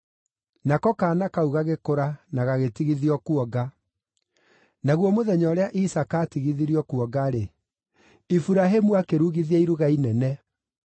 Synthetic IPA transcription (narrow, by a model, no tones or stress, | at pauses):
nakɔkaːnakauɣaɣekoɾanaɣaɣetiɣiðiɔkuɔɡa | naɣwɔmoðɛɲɔɾeaʔisakaːtiɣiðiɾiɔkuɔɡaɾe | ifuɾaɦemuakeɾuɣiðiɛiɾuɣainɛnɛ